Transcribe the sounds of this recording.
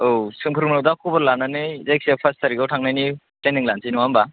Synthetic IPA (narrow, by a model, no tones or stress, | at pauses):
owsɯŋpʰɯɾmɯnawdakʰobɐɾlanːanɯzajk̚siapʰastʰaɾiɡawtʰaŋnajni | teniŋlansinɔwamba